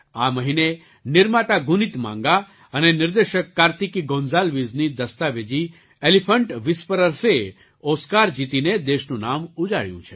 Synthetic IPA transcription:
aməɦine | nɪɾmat̪aɡunit̪mã̰ŋɡa | ənenɪɾd̪eʃəkːaɾt̪ikiɡõnzalʋiznid̪əst̪aʋed͡ʒi | elifʰəɳʈʋɪspəɾəɾse | oskaɾd͡ʒit̪ined̪eʃnũnamud͡ʒaɭjṵ̃t͡ʃʰe

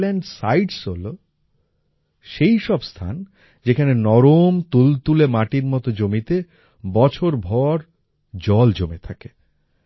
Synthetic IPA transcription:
lɛɳɖsa̰jɖsɦolo | ʃejʃɔbst̪ʰa̰n | d͡ʑekʰanenɔɾomt̪ult̪ulemaʈiɾmɔt̪od͡ʑomit̪e | bɔt͡ɕʰoɾbʱɔɾ | d͡ʑɔld͡ʑomet̪ʰake

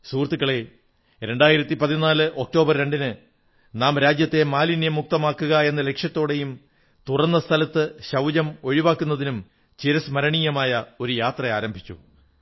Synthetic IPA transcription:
suːrt̪ːikːɐɭe̞ | ɾe̞ɳɖaːjiɾɐt̪ːipɐðinaːlɨʔo̞k̚ʈo̞ːbɐrɾe̞ɳɖinɨ | naːmɾaːd͡ʑjɐt̪ːe̞maːlinijɐmːuk̚t̪ɐmaːkːuɣɐe̞nːɐle̞kʂjɐt̪ːo̞ːɽe̞jum | t̪urɐnːɐst̪ʰɐlɐt̪ːɨɕɐwd͡ʑɐmo̞ɻiʋaːkːunːɐðinum | t͡ɕiɾɐsmɐɾɐɳijɐmaːjɐo̞ɾujaːt̪rɐaːɾɐmbʱit͡ɕːṵ

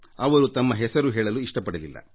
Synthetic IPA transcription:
ɐʋɐɾut̪ɐmːɐɦɛsɐɾuɦɛːɭɐluiʂʈɐpɐɽɐlilːɐ̰

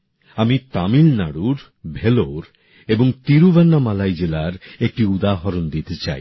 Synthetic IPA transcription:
amit̪amilnaɽuɾ | bʱeloɾ | eboŋt̪iɾubɛnːamalajd͡ʑelaɾek̚ʈiud̪aɦɔɾond̪it̪et͡ɕa̰j

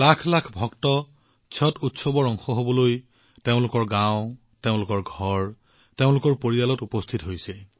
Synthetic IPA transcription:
lakʰlakʰbʱɔktɔ | t͡ʃʰɔtutsɔbɔɹɔŋxɔɦobɔloj | teʊ̃lʊkɔɹɡãʊ̃ | teʊ̃lʊkɔɹɡʱɔɹ | teʊ̃lʊkɔɹpoɹijalɔtupɔstʰitɦojsɛ

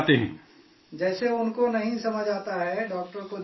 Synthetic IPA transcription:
t̪eɦɛ̰̃ː | d͡ʒɛːseʊnkonɐɦĩsɐməd͡ʒaːt̪aɦɛɖɔːkʈəɾko

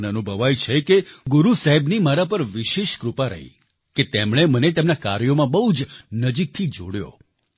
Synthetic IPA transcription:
neənubʱəʋajt͡ʃʰekeɡuɾusaɦɛbnimaɾapəɾʋɪʃeʃkɾupaɾə̰ɦḭ | ket̪emɽ̃emənet̪emnaka̰ɾjomãbəɦud͡ʒnəd͡ʒik̚t̪ʰid͡ʒoɽjo̰

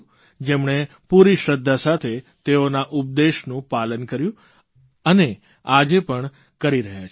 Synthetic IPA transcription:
d͡ʒemɳe | puɾiʃɾəd̪ʱːasat̪ʰe | t̪eonaʔʊp̚d̪eʃnũpalənkəɾjũ | əne | ad͡ʒepəɳ | kəɾiɾəɦjat͡ʃʰ

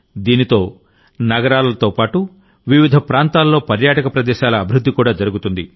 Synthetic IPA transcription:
d̪iːnit̪o̞ː | nɐɡɐɾaːlɐɐt̪o̞ːpaːʈu | ʋiʋid̪ʱɐpɾaːnt̪aːlːo̞ːpɐɾjaːʈɐkɐpɾɐd̪ɛːʃaːlɐːbʱiɾud̪ʱːikuːɽaːd͡ʒɐɾuɡut̪und̪i

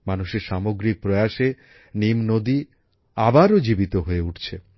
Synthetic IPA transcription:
manuʃeɾʃamoɡɾik̚pɾoeaʃe | nimnod̪i | abaɾod͡ʑibit̪oɦoeuʈʰt͡ɕʰe

